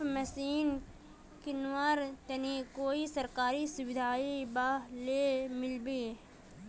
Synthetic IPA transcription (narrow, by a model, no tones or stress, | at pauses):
mɐsiːn | kɪnwaɾt̪ɐnikoːisɐɾkaːɾisʊbɪd̪ʱaːibaːleːmɪlbeː